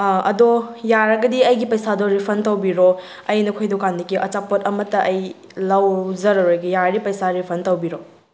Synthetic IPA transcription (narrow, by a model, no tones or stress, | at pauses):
ɐ̰dojaɾɐɡɐdiɐjɡipɐjsadɔɾipʰɐntɐwbiɾo | ɐjnɐkʰojdɔkandikiʔɐt͡ʃapotɐmɐtːɐɐj | lawzɐɾɐɾojɡijaɾɐɾipɐjsaɾipʰɐntɐwbiɾo